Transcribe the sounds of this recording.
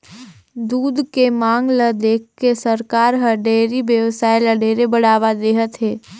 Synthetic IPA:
d̪uːd̪kemãːŋɡləd̪eːk̚ʰkːesəɾkaːɾɦəɖeːɾibjəwsaːjləɖeːɾebəɽ̤aːʋad̪eːɦət̪ɦeː

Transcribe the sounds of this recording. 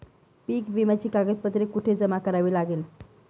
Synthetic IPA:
piːkʋimjat͡ɕiːkaɡəd͡ʑpət̪ɾekuʈʰeːd͡zəmakəɾaʋiːlaɡeːl

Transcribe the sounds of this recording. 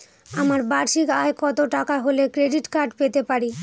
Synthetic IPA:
amaɾbaɾʃikaekɔt̪oʈakaɦolekɾeɖiʈkaɾɖpet̪epaɾi

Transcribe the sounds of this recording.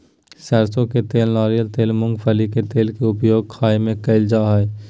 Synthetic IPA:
sɛːɾsõket̪eːlnaːɾijəlt̪eːlmʊ̃ŋɡpʰəliket̪eːlkeʊpjoːɡ̚kʰaːemẽkɐɪld͡ʒaːɦɛe

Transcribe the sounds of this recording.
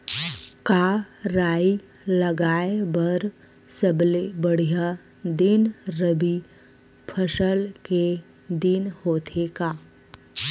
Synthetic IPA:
kaɾaːi | ləɡaːebəɾ | səblebəɽ̤ija | d̪ɪnɾəbi | pʰəʃəlke | d̪ɪnhoːt̪ʰekaː

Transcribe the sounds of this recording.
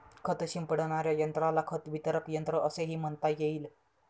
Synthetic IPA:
kʰət̪əɕimpəɽɳ̃aɾjajənt̪ɾalakʰət̪ʋit̪əɾəkjənt̪ɾəʔəseɦiːm̤əɳt̪ajeiːl

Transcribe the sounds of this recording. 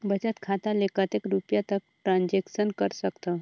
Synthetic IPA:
bət͡ʃət̪kʰat̪alekat̪ekɾupjat̪ək̚ʈɾãnd͡ʒeksənkəɾsəkt̪a

